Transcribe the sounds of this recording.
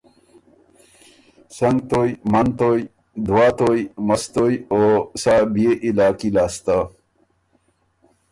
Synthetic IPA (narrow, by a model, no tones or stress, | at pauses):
sɐŋɡt̪ojmɐnt̪oj | d̪waːt̪ojmɐst̪ojosabieʔilaːkilaːst̪a